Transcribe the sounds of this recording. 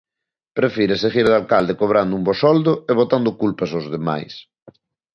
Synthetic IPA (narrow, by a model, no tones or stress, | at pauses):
pɾefiɾeseɣiɾðalkald̪ekoβ̞ɾand̪ʊumbosɔld̪ʊeβ̞ot̪and̪ʊkulpɐsozðema̰js